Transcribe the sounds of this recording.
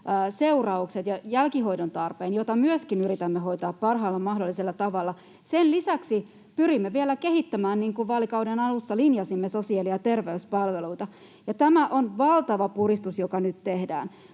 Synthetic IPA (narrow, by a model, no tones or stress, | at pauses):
seurɑukset̪jɑjælkiɦoidont̪ɑrpeːnjot̪ɑmyøskinyɾit̪æmːeɦoit̪ɑːppɑrɦɑːlːɑmɑɦdolːiselːɑt̪ɑʋɑlːɑ | senlisæksi | pyrimːeʋielækehit̪ːæmæːnniːŋkuʋʋɑːlikɑwdenɑlusːɑlinjɑsimːesosiɑliɑt̪erʋeyspɑlʋeluit̪ɑ | jɑt̪æmæʔonʋɑlt̪ɑʋɑpurist̪usjokɑnyt̪t̪ehdæ̰ːn